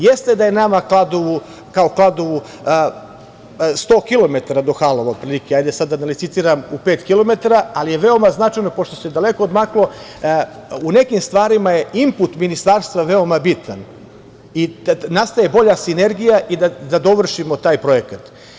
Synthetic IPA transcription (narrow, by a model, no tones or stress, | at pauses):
je̞st̪e̞d̪aje̞namaklˠad̪o̞ʋu | kao̞klˠad̪o̞ʋu | st̪o̞ːkilo̞me̞t̪aɾad̪o̞xalˠoʋaɡ̪pɾilikeajd̪esad̪ːanalit̪sit̪iːɾamupeːt̪kilo̞me̞t̪aɾaalije̞ʋe̞o̞maznat͡ʃajnopoʃt̪o̞sed̪aleko̞od̪maklˠo̞ | une̞kimst̪ʋaːɾimaje̞imput̪minist̪aːɾst̪ʋaʋe̞o̞mabit̪an | inast̪aje̞bo̞ʎasine̞ɾɡijaʔid̪ad̪ad̪o̞ʋr̩ʃimo̞t̪aːjpɾo̞je̞kat̪